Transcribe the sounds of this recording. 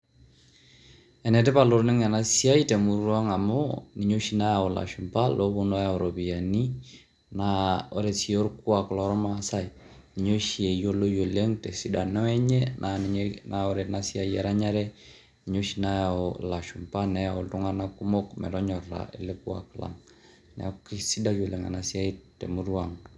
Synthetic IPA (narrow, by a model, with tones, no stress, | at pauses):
ɛ˨nɛ˨tɛ˦pa˨lo˨ɾnɪ˦ŋɛ˨na˦si˦a˦i˦tɛ˨mu˨ɾwa˦ŋa˨mɔ˦ni˨ɲo˦ʃi˨˦na˦ja˨o˨la̰˨ʃu˨mpa˦lʔo˦bu˦n˦a˦ja˨o˨ɾo˨bi˨ja˨ni˦ | na˦o˦ɾɛ˨si˨˦o˦ɾku˦a˨klɔ˨ɾɔ˦ma˦sa˦j | ni˨ɲo˦ʃi˨e˨jo˦lo˦jo˨le˦ŋtɛ˨si˨da˨nɔ˦ɛ˦ɲɛ˦nʔa˨nnao˦ɾɛ˨na˦si˦a˨ja˦ɾa˦ɲa˦ɾɛ˦ | ni˨ɲo˦ʃi˨na˦ja˨ɔ˨la˨ʃu˨mpa˦nɛ˦ja˨o˨ltu˦ŋa˦na˦ku˦mo˦kmɛ̰˨ɾɔ˦ɲɔ˨ra̰˨ḛ˨le˦ku˦a̰˨kla̰˨ŋ | nɛ̰˨˦ki˦si˦da˦jo˨le˨ŋa̰˨na˨si˦a˦i˦tɛ̰˨mu˦ɾu˦a˨ŋ